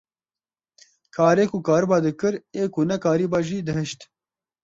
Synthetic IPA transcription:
kʰaːɾekukaːɾbaːd̪əkəɾeːkunɐkaːɾibaʑiːd̪ɐɦəɕt̪

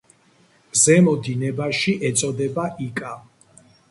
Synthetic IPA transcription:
zɛmɔd̪inɛbaʃiʔɛt̪sʼɔd̪ɛbaʔikʼa

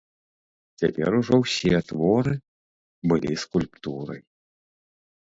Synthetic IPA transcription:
t͡sʲapʲɛ̰ɾuʐɔwsʲiɛt̪vɔɾɨ | bɨlʲiskulʲpt̪uɾɐ̰j

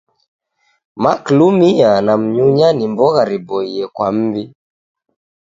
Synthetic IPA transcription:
maklumianam̩ɲuɲanimbɔɣaɾibɔiɛkwam̩bi

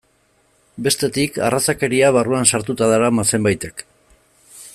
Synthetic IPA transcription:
be̞st̪e̞t̪ika̰rasake̞ɾiaβ̞aruansaɾt̪ut̪aðaɾamase̞mbajt̪e̞k

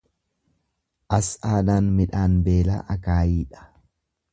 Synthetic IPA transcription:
ʔɐsaːnaːnmɪᶑaːnbe̞ːla̰ːʔɐkaːjiːᶑɐ̥

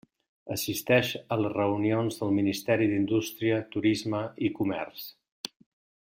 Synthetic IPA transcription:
əsist̪ɛʃələrəunionzðəlˠminist̪ɛɾiðind̪ust̪ɾiət̪uɾizməikumɛ̰rs

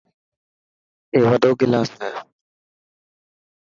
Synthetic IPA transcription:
eːʋəɖoːɡɪlaːsɛː

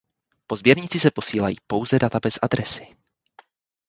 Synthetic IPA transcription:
po̞zbjɛɾɲɪt͡sɪsɛpo̞siːlajḭːpo̞wzɛdat̪abɛsʔad̪ɾɛsɪ̥

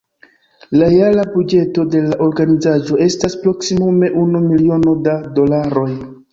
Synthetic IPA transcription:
laɾealabud͡ʒe̞to̞de̞laʔo̞ɾɡanizaʒo̞e̞staspɾo̞ksimume̞ʔunumilio̞no̞dado̞laɾo̞j

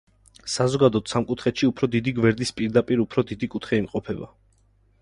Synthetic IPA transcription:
sazɔɡad̪ɔt̪samkʼut̪ʰχɛt̪ʃiupʰɾɔd̪id̪iɡwɛɾd̪ispʼiɾd̪apʼiɾupʰɾɔd̪id̪ikʼut̪ʰχɛimqʼɔpʰɛba̰

